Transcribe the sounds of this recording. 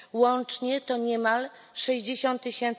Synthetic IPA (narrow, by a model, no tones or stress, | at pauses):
wɔnt͡ʂɲɛt̪ɔɲɛmal | ʂɛʑd͡ʑeɕɔ̃nt̪ːɘɕɛnt̪